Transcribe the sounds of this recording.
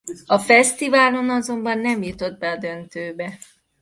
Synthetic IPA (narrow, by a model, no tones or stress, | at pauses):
ɒfɛst̪ivaːlo̞nɒzo̞mbɒnːɛmjut̪o̞d̪̚bɛɒd̪ø̞nt̪øːbɛ